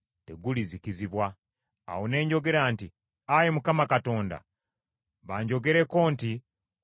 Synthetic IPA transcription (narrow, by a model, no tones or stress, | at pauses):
te̞̰ɡulizikiziβwa | a̰wone̞ːɲɟo̞ɡe̞ɾaːnti | ajemukamakato̞ːnda̰ | βaːɲɟo̞ɡe̞ɾe̞ko̞ːnti